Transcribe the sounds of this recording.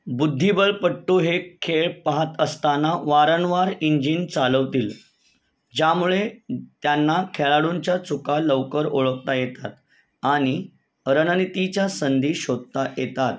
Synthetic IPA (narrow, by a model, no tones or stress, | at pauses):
bud̪ʱːibəlpəʈːoɦekʰeɭpaɦat̪əst̪anaʋaɾənʋaɾiɲd͡ʑiːnt͡saləʋt̪iːl | d͡ʑjamuɭet̪janːakʰeɭaɽuɲt͡ɕjat͡sukaləʋkəɾoɭək̚t̪ajet̪at̪̚ | aɽ̃i | ɾənənit̪it͡ɕjasənd̪ʱiːɕod̪̚t̪ajet̪at̪